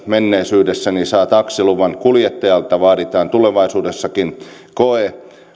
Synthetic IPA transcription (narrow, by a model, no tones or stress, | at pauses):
menːeisyːdesːænisɑːt̪ɑksiluʋɑnkuljet̪ːɑjɑlt̪ːɑʋɑːɾit̪ɑːnt̪uleʋɑisuːdesːɑkin | koe